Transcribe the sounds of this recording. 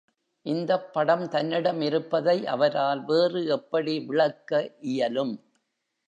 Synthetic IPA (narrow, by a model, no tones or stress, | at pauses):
ʔɪnd̪ɐpːɐɽɐmt̪ɐnːɪɽɐmɪɾɯpːɐðɐɪʔɐʋɐɾaːlʋeːrɯɛpːɐɽiʋɪɭɐkːɐʔɪjɐlɯm